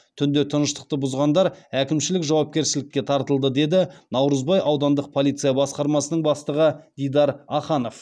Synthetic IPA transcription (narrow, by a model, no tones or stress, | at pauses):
t̪ʰʏnd̪e̞t̪ʰənəʃt̪ə̥q̚t̪əbʊzʁɑnd̪ɑɾækʲɪmʃɪlɪkʒɑwɑp̚kʲe̞ɾsɪlɪkʲːe̞t̪ʰɑɾt̪əlˠd̪əd̪e̞d̪ɪnɑwɾəzbɑjʔɑwd̪ɑnd̪əq̚pʰolʲˠijt̪sɨjabɑsqɑɾmɑsənəɴbɑst̪əʁəd̪ijd̪ɑɾɑχɑno̞f